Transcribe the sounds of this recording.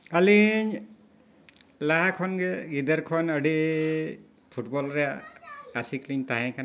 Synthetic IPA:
aliɲ | laɦakʰɔnɡɛɡid̪əɾkʰɔnəɖiʔ | pʰuʈbɔlɾɛaasikliɲt̪aɦɛ̃kʰan

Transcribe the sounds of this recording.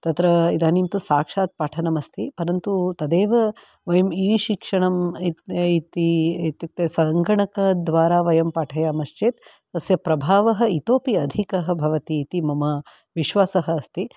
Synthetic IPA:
t̪ɐt̪ɾɐid̪aːnimt̪usaːkʂaːt̪̚paːʈʰɐnɐmɐst̪ʰipɐɾɐnt̪ut̪ɐd̪eːʋɐ | ʋɐjɐmiːʃikʂɐɳɐmiit̪iit̪juk̚t̪esɐŋɡɐɳɐkɐd̪ʋaːɾaːʋɐjɐmpaːʈʰɐjamɐʃt͡ʃeːt̪ | t̪ɐsjɐpɾɐbʱaːʋɐɦɐ̆it̪oːpiɐd̪ʱikɐɦɐbʱɐʋɐt̪iːt̪imɐmɐ | ʋiʃʋaːsɐɦɐːst̪i

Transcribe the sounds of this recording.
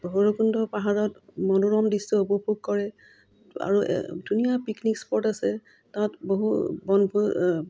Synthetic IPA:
bɦoɹokundɔpaɦaɹɔtmɔnuɹɔmdisɔobɔpuɡ̚kɔɹɛ | a̰ɹṵdunijapiknikspɔɹtasɛ | tatboɦubɔnbʱu

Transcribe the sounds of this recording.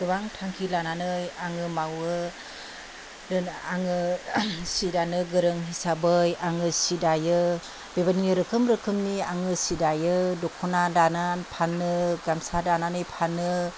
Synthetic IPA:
dɯβaŋtʰaŋkʰilananɯjaŋɯmawɯ | dɯaŋɯ | sidanɯɡɯɾɯŋɦisabɯjaŋɯsidajɯ | bebaniŋiɾɯkʰɯmɾɯkʰɯmniaŋɯsidajɯdɔkʰunadananpʰanːɯɡamsadananɯjpʰanːɯ

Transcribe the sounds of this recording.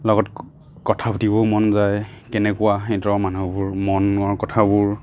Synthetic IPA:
lɔɡɔt | kɔtʰabʰtibɔmɔnzajkɛnɛkʊwaĩtɹɔmanubʊɹmɔnɔɹkɔtʰabʊɹ

